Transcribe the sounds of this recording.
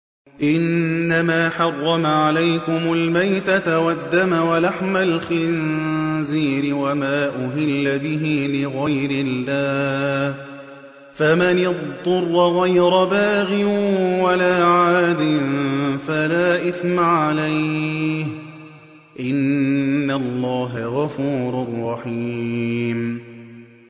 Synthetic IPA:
ʔɪnːamaːħɑrˤːɑmaʕalajkʊmʊlmajt̪at̪awad̪ːamawalaħmalxɪnziːɾɪwamaːʔʊɦɪlːabɪɦɪlɪɣajɾɪlːaːh | famanɪðˤːʊrˤːɣajɾabaːɣɪnwalaːʕaːd̪ɪnfalaːʔɪθmaʕalajh | ʔɪnːalˤːɑːɦaɣɑfuːɾʊrˤːɑħiːm

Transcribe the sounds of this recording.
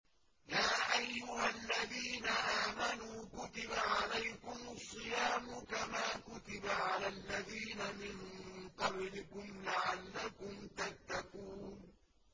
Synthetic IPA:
jaːʔajːʊhalːaðiːnaʔaːmanuːkʊt̪ɪbaʕalajkʊmɑsˤːɨjaːmʊkamaːkʊt̪ɪbaʕalalːaðiːnamɪnq̪ɑblɪkʊmlaʕalːakʊmt̪at̪ːakuːn

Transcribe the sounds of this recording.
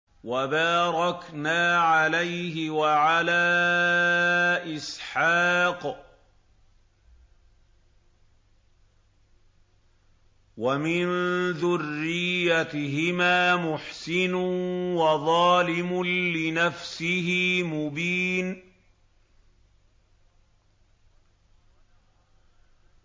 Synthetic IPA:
wabaːɾˤɑknaːʕalajɦɪwaʕalaː | ʔɪsħɑːq | wamɪnðʊrːɪjːat̪ɦɪmaːmʊħsɪnʊwɑðˤɑːlɪmʊlɪnafsɪhɪmʊbiːn

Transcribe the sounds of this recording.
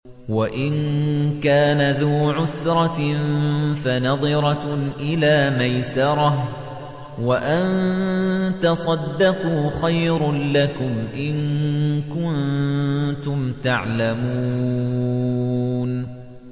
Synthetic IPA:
waʔɪnkaːnaðuːʕʊsɾˤɑ | fanɑðˤɨɾˤɑʔɪlaːmajsɑɾˤɑh | waʔan | t̪ɑsˤɑd̪ːɑquːxajɾlakʊmʔɪnkʊn | t̪ʊmt̪aʕlamuː | n

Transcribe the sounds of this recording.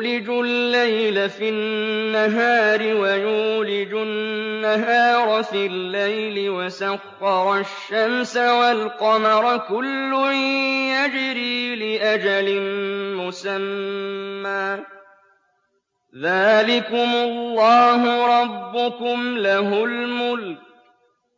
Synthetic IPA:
lɪd͡ʒʊlːajlafɪnːaɦaːɾɪwajuːlɪd͡ʒʊnːaɦɑːɾˤfilːajlɪwasaqːɑɾˤʊʃːamsawalqɑmɑɾˤkʊlːʊjad͡ʒɪɾiːlɪʔad͡ʒalɪmʊsamː | aː | ðaːlɪkʊmʊlːɑːɦʊɾˤɑbːʊkʊmlaɦʊlmʊlk̚

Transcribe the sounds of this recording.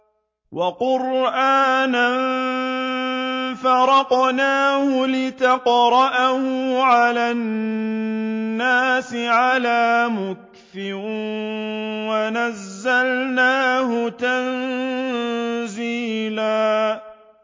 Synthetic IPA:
wʔɑqʊɾʔaːnan | fɑɾˤɑqnaːhʊlɪt̪ɑqɾˤɑʔahʊʕalaːn | aːsɪʕalaːmʊk | θɪɾ | wanazːalnaːɦʊt̪an | ziːlaː

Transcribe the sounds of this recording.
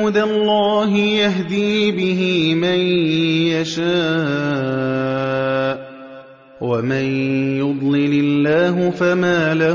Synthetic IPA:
d̪alˤːɑːɦɪjaɦd̪iːbɪɦɪmanjaʃaː | ʔ | wamɪnjʊd̪ˤlɪlɪlːaːɦʊfamaːla

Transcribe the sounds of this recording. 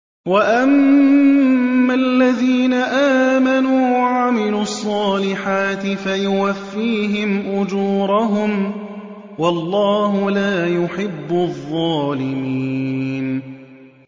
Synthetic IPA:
waʔam | alːaðiːnaʔaːmanuːwaʕamɪluːɑsˤːɑːlɪħaːt̪ɪfajʊwafːiːɦɪmʔʊd͡ʒuːɾˤɑɦʊm | wɑlˤːɑːɦʊlaːjʊħɪbːʊðˤːɑːlɪmiːn

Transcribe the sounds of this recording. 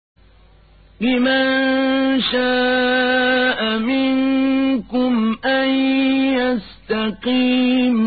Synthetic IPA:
lɪmannnʃaː | ʔamɪnkʊmʔanjas | t̪aqiːm

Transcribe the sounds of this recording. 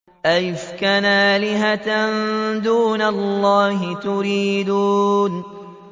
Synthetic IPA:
ʔajfkanaːlɪɦat̪nnd̪uːnalːɑːɦɪt̪ʊɾiːd̪uːn

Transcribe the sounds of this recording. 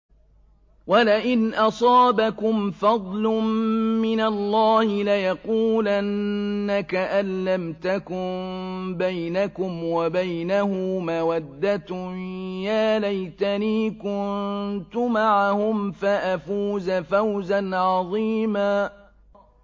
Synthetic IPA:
walaʔɪnʔɑsˤɑːbakʊmfɑd̪ˤlʊmmɪnalˤːɑːhɪlajɑquːlanːakaʔalːamt̪akʊmbajnakʊmwabajnahʊmawad̪ːat̪ʊjaːlajt̪aniːkʊnt̪ʊmaʕahʊmfaʔafuːzafawzanʕɑðˤiːmaː

